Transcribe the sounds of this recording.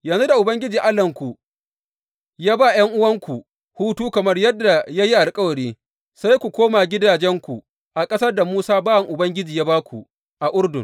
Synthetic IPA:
jɐ˨nzu˦da˨ʔʊ˨bɐ˦ŋɡʲɪ˦d͡ʒiː˨ʔa˦lɐ˨ŋkʷu˨ | jaː˦ba˦˨j̰ɐ˦ŋʔʊ˦wɐ˦ŋkʷu˨ | huː˦tuː˦kɐ˨mɐ˦rjɐ˦dːa˨ja˦ji˦ʔa˨lkʼɐ˦wɐ˨ɽiː˦ | sa˦jkʷu˨kʷoː˦maː˨ɡʲɪ˦daː˨d͡ʒɛ˦ŋkʷu˨ | ʔa˨kʼɐ˦sɐ˦rda˨muː˦saː˦baː˦wɐ˨ŋʔʊ˨bɐ˦ŋɡʲɪ˦d͡ʒiː˨jaː˦baː˦kʷu˨ | ʔa˨ʔʊ˦rdʊ˨ŋ

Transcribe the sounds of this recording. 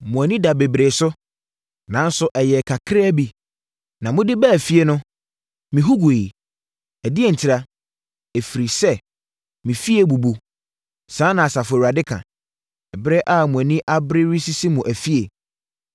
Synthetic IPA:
mʊ̃˨æ˨nĩ˦da˨be˨bɾeː˨sʊ˦ | nã˨˦n˦sʊ˦ʔɛ˨jɛ˨kʰa˨kʰɾe˦bi˨ | nã˨mʊ̃˦dɪ˦bɛ˦˨fi˦e˦nʊ̃˦ | mĩ˨ɦu˦ɡu˨e˨i˨ | æ˨dɪ˦e˦˨n̩˨tʰɪ˦ɾa˦ | e˨fi˨ɾi˨sɛ˦ | mĩ˨fi˦e˦bu˨bu˨ | sãː˨˦nã˨a˨sa˨fɾa˨dɪ˦kʰã̰˨ | ɛ˨bɾɛ˦ʔa˦˨mũ˨æ˨nĩ˦ʔa˦bɾɪ˦ɾi˦si˦si˦mũ˨ʔæ˨fi˦e˨

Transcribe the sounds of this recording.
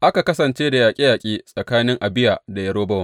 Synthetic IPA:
ʔa˦ka˨kɐ˦sɐ˨nt͡ʃeː˦da˨jaː˨kʲʼi˦jaː˨kʲʼiː˦sʼɐ˨kaː˦nɪ˦ŋʔa˨bɪ˦ja˨da˨jɐ˦ɽoː˦bɐ˦wɐ˨

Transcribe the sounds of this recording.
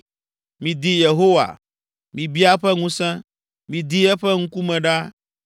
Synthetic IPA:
mĩ˨d̪i˦je˨ɦo˦wa̰˨ | mĩ˨bi˦a˦ɸɛ˦ŋũ˦sɛ̃˦ | mĩ˨d̪i˦ɛ˦ɸɛ˦ŋ̩̃˦ku˦mɛ̃˨ɖa˦

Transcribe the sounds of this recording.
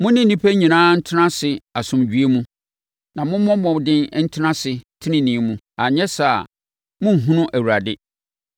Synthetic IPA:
mʊ̃˦nɪ̃˦n̩˦nĩ˦pʰæ˦ɲĩ˨nãː˦n̩˦tʰɪ˦nã˦sɪ˨a˨sʊ̃˨md͡ʑɥe˦mũ˦ | nã˨mʊ̃˦m˦mɔ̃˦mɔ̃˨dɪ̃˦n˦n̩˦tʰɪ˦ã˦sɪ˨tʰɪ˦nɪ̃˦nĩ˨˦mũ˦ | a˨ɲɛ˦sa˨ | mʊ̃˦˨ɦũ˦nʊ̃˦ʔæ˨wu˨ɾa˨dɪ˦

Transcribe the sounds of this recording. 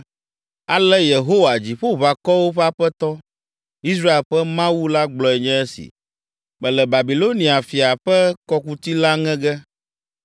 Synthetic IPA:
a˨lɛ˦je˨ɦo˦wa˨d͡ʑi˨ɸo˦βa˨kɔ˦wo˦ɸɛ˦a˦ɸɛ˦t̪ɔ˦ | i˦s̬ɾa˦e˨lɸɛ˦mã˦wu˦la˦ɡ͡blɔ˨ɛ˨ɲɛ̃˦ɛ˦sḭ˨ | mɛ̃˨lɛ˨ba˨bi˨lo˦nĩ˨a˨fi˨a˨ɸɛ˦kɔ˦ku˦t̪i˦la˦ŋɛ̃˦ɡɛ˦

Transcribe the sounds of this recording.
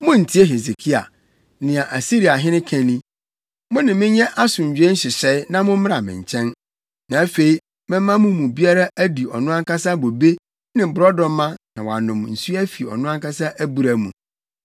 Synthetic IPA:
mʊ̃˦n̩˨tʰi˦e˦ɦe˨se˨kʰi˦a̰˨ | nɪ̃˨a˨ʔa˨si˦ɾi˨a˨ɦɪ̃˦nɪ̃˦kʰɛ̃˨nĩ˦ | mʊ̃˦nɪ̃˨mɪ̃˦ɲɛ˦ʔa˦sʊ̃˨ɲ̩˨d͡ʑᶣe˦ɕɪ˨sɛ˦ɪ˦nã˦mʊ̃˦m̩˦m˦a˨mɪ̰̃˨ɲ˨t͡ɕʰɛ̃˦n | nã˨æ˦fe˨i˨ | mɪ̃˦mã˦mũ˦mũ˨bi˦a˦ɾa˦ʔæ˦di˨ɔ˨nʊ̃˦ã˦ŋkʰa˦sa˦bo˨be˦ | nɪ̃˨bɾɔ˦dɔ̃˨m˦mã˦nã˨wa̰˨nʊ̃˨mn̩˨su˦æ˦fi˨ɔ̰˨nʊ̃˦ã˦ŋka˦sa˦ʔæ˦bu˨ɾa˨mṵ̃˨

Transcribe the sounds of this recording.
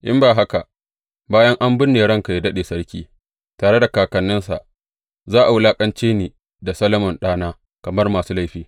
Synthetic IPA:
ʔɪ̰˦mbaː˨ɦa˦ka˨ | baː˦jɐ˦ŋʔa˦mbʊ˦nːeː˨ɽɐ˦ŋka˨ji˦dɐ˦ɗeː˨sɐ˦ɽkʲiː˦ | taː˨ɽe˦da˨kaː˨kɐ˨nːɪ˦nsa̰˨ʔ | zaː˦ʔa˨wʊ˦laː˦kʼɐ˦nt͡ʃeː˦niː˨ | da˨sɐ˦lɐ˦mʊ˨nɗaː˦naː˦ | kɐ˨mɐ˦rmaː˨suː˦la˦jɸiː˦

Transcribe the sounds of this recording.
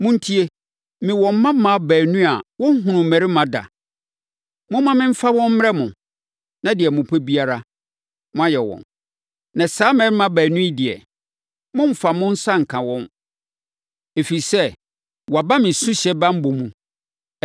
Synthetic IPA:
mʊ̃˦n̩˦tʰi˦e˦ | mɪ̃˨wɔ̃˨m˦mã˦mã˨bæː˨nũ˦a˨wɔ̃˦n̩˦ɦʊ̃˨nʊ̃˨mɛ˨ɾi˦mã˨da̰˨ | mʊ̃˦mã˦mɪ̃˦m̩˦fa˦wɔ̃˦m̩˦m˦ɛ˦mʊ̃˨ | nã˦dɪ˨ɛ˨mʊ̃˨pʰɛ˦bi˦a˦ɾa˦ | mʊ̃˦a˦jɛ˨wɔ̰̃˨n | nã˨saː˨˦mɛ̃˨ɾɪ˦mã˨bæː˨nũ˦i˦dɪ˨ɛ̰˨ | mʊ̃˦m˦fa˨mʊ̃˦n̩˦sã˦ŋ̩˨kʰã˨wɔ̃˦n | e˨fi˨sɛ˦ | wɔ˨a˨ba˦mɪ̃˨sʊ̃˦ɕɛ˦bã˦m̩˦bo˨mũ˨

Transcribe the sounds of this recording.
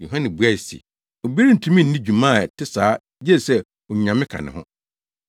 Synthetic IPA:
jo˨ɦã˦nɪ̃˨bu˨˦a˦˨sḭ˨ | o˨bi˦ɾi˦n̩˨tʰũ˦mĩ˦˨n̩˨nĩ˦d͡ʑũ˨mã˦˨tʰɪ˦saː˨˦ | d͡ʑɛ˦˨sɛ˦ | ɔ˨ɲ˨ã˨mɪ̃˦kʰã̰˨nɪ̰̃˨hʊ̰̃˦

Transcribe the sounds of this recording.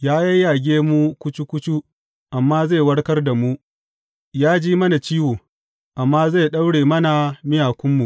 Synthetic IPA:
jaː˦jɐ˦jjaː˨ɡʲeː˦mu˦kʷʊ˦t͡ʃu˦kʷʊ˦t͡ʃu˦ | ʔa˨mːaː˦zeː˦˨jwɐ˦ɽkɐ˦rda˨mu˦ | jaː˦d͡ʒiː˦mɐ˦na˨t͡ʃiː˦woː˨ | ʔa˨mːaː˦ze˦˨ɗɐ˦wɽeː˨mɐ˦na˨mɪ˦jaː˨kʷʊ˦mːu˨ʔ

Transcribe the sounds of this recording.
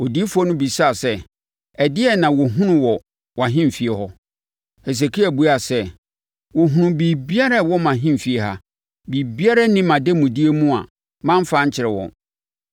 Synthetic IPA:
ɔ˨di˦fɔ˦nʊ̃˦bi˨sa˦˨sɛ˦ | ɛ˨dɪ˦ɛ˦nã˨wɔ˨ɦʊ̃˦nʊ̃˨wɔ˨ | wɦɪ̃˦m̩˨fi˨e˨hɔ˦ | he˨s̬e˨kʰi˦æ˨bu˦a˨sɛ˦ | wɔ˨ɦũ˨nũ˨bi˨bi˦a˦ɾa˦wɔ˦mã˨ɦɪ̃˦m̩˨fi˨e˨ɦa˦ | bi˨bi˦a˦ɾa˦nĩ˦mã˨de˦mũ˨di˦e˦mũ˦a̰˨ | mã˦m˦fa˦ɲ˦t͡ɕʰɪ˨ɾɛ˨wɔ̰̃˨

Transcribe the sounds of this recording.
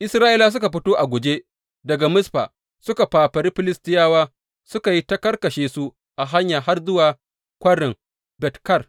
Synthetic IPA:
ʔɪ˦sɾaː˦ʔɪ˦laː˦˨s̬ʊ˦ka˨ɸ̬ɪ˦toː˦ʔa˨ɡʷʊ˨d͡ʒe˦ | dɐ˨ɡa˨mʊ˦sɸa̰ː˨ | sʊ˦ka˨paː˨ɸɐ˨ɾi˦ɸɪ˨lɪ˦stɪ˦jaː˦waː˦ | sʊ˦ka˨ji˦tɐ˦kɐ˦rkɐ˨ʃeː˨su˦ | ʔa˨ɦa˦ɲjaː˨ɦa˦rzʊ˦waː˨ | kʷɐ˦ɽɪ˨ŋ | bɛ˨tkɐ˦˨r

